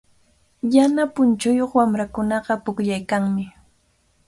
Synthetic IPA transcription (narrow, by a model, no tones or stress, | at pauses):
janapʊnt͡ʃʊjoχwamɾakʊnɑɢɑpʊkʎajkaŋmɪ